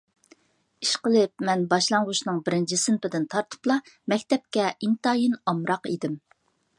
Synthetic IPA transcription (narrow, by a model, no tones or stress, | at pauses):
iʃqəlˠɪp̚mɛnbɑʃlˠɑŋʁʊʃnɨŋbɪɾɪnt͡ʃʰisynpɪd̪ɪnt̪ʰɑɾt̪ʰu̥plˠɑmɛkʲt̪ɛp̚kʲɛint̪ɑːjinɑmɾɑqḭd̪ɪm